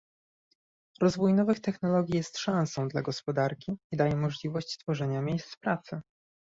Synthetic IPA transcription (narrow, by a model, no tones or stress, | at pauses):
ɾɔzvujnɔvɘxt̪ɛxnɔlɔɡʲijɛst̪ʂãñsɔ̃w̃d̪laɡɔspɔd̪aɾkʲiːd̪ajɛmɔʐlʲivɔɕt͡ɕst̪fɔʐɛɲamʲjejst̪pɾat̪sɘ